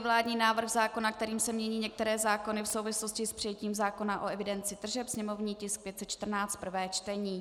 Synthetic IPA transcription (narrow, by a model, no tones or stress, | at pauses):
vlaːdɲiːnaːvr̩xzaːko̞nak̚t̪ɛɾiːmsɛmɲɛɲiːɲɛk̚t̪ɛɾɛːzaːko̞nɪfsowvɪslo̞scɪspr̥ɪjɛciːmzaːko̞naʔoɛvɪdɛnt͡sɪt̪r̩ʒɛpsɲɛmo̞vɲiːcɪsk̚pjɛt̪sɛt̪t͡ʃt̪r̩naːt͡st̪̚pr̩vɛːt͡ʃt̪ɛɲiː